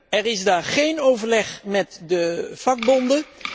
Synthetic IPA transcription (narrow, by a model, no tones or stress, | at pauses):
ɛɹɪzdaːɹχejnowvəɹlɛχmɛtdəv̥ɑɡ̚bɔndə